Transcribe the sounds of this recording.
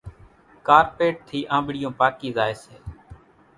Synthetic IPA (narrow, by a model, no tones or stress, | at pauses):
kaːɾpeːʈ̚t̪ʰiːʔãːɓɪɽɪjõːpaːkiːzaːeːseː